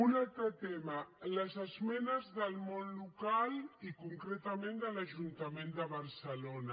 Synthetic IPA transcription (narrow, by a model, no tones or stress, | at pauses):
unalt̪ɾət̪ɛmaləzəzmɛnəzðəlmonlukalikuŋkɾɛt̪amẽnd̪əlaʒunt̪amend̪əβɐɾsəlona